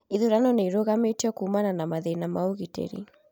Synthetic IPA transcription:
iðuɾanɔneiɾoɣametiɔkuːmananamaðenamaoɣitḛɾḭ

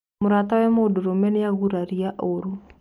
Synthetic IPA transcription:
moɾaːtawɛmoːdoɾomɛnejaɣuɾaɾiaʔoɾu

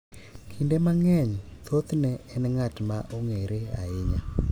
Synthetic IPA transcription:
kʰindemaŋɛɲt̪ʰot̪nɛɛnɛŋatmaʔoŋeɾea̰ɪɲa

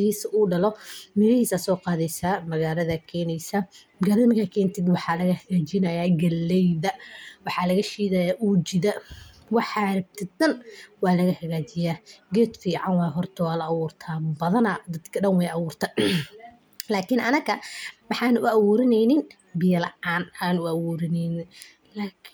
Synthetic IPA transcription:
hiːsɐʔuːɖɐlɔmɪɾɪhiːsaːsɔːqɑːðɛjsaːmɐɣaːlɐðɐkʰɛːnɛjsɐmɐɣaːlɐðɐmɐkʰakʰɛːnt̪ʰɛd̪wɑħɑlɐɣɐhɐɣaːt͡ʃɪnɐjaːɡɐlːɛjðɐwɑħɑːlɐɣɐʃiːðɐːjaːʔuːd͡ʒɪðɐ | wɑħɑɾɐb̚t̪ʰɪɐnwɑːlɐɣɐhɐɣaːt͡ʃɪjaːɡɛːd̪fiːʕɑnwɑːjɦɔrt̪ʰɐwɑːlɐːwʊːrt̪ʰabɐðɐnɐd̪ɐd̪kʰɐɖɐnwɛjɐwʊːrt̪ʰɐː | laːkʰɪnɐnɐkɐwɑħɑːnʊʊʔɐwʊːɾɪnɛjnɪn | bɪjɐlɐ̰ʕaːnʔaːnʊæwʊːɾɪnɛnɪ | laːkʰ

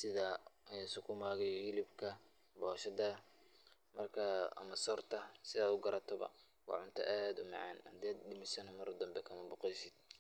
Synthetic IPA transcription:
sɪðaɛsʊkʰʊmaːɣɛjhɪlɪbkʰɐ | bɔːʃɐðɐ | mɐrkʰɐɐ̰mɐsɔrt̪ʰɐsɪðaːd̪ʊɡɐɾɐt̪ʰɔβɐ̰ | wɑ̰ħʕʊnt̪ʰɐ̰ʔaːd̪ʊmɑ̰ʕɑ̰ːnhɐd̪ːd̪ɖɪmɪsɐnɐmɐɾd̪ɐmbɛkʰɐmɐbʊqɛjsɪd̪̥̚

